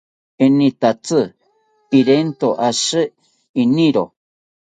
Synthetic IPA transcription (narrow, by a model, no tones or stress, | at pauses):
enĩt̪at͡sɨ | iɾent̪oʔasɨ | inĩɾo